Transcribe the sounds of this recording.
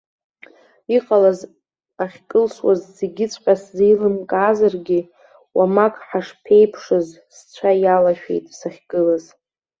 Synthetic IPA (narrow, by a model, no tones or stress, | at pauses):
iqʼalaz | aχʲkʼɨlʃwazzeɡʲɪt͡sʷʰʼqʲʼaszijlɨmkʼːzarɡʲɪ | wʔamakʼħaʂpʰe̞jpʰʂɨz | st͡ɕʷʰajalaʃᶣḛjtʼsaχʲɡʼɨlaz